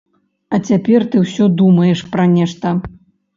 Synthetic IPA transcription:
ɐt͡sʲapʲɛrt̪ɨwsʲɔd̪umɐjɛʂpɾɐnʲɛʂt̪ɐ

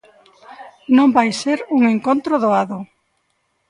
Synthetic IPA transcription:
nõmbajseɾuŋeŋkõnt̪ɾʊðoaðʊ

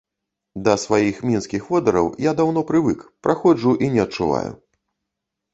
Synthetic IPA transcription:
d̪ɐsvajixmʲinskʲixvɔd̪ɐɾɐ̰wjad̪awnɔpɾɨvɨkpɾʔaxɔd͡ʐuʔinʲɛɐt͡ʂuva̰jṵ

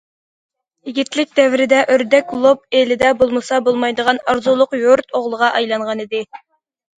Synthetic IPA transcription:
jiɡʲit̪lɪk̚ʲd̪ɛvɾɪd̪ɛʔøɾd̪ɛk̚ʲlˠop̚elɪd̪ɛbolˠmɨsɑbolˠmɑjd̪əʁɑnɑɾzulˠʊqjoɾt̪ʰoʁlˠəʁɑʔɑjlˠɑɴʁɑnid̪ɪ

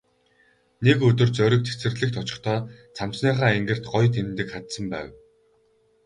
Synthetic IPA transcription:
nekɵt̪ɵ̆rt͡sœɾʲɵ̆k̚t͡sʰe̥t͡sɘ̆rɮɘ̆kt̪ʰɔt͡ɕɪ̆χt̪ʰœːt͡sʰamsniːχaːeŋɡɘ̆r̥t̪ɢɔjt̪ʰem̆nt̪ɘ̆kχat̪sə̆mpæ̰ːw

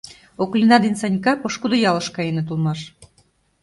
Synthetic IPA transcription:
oklʲinɑd̪insɑnʲkɑpɤ̆ʃkud̪ŏjɑlɤ̆ʃkɑjenet̪ulˠmɑʃ

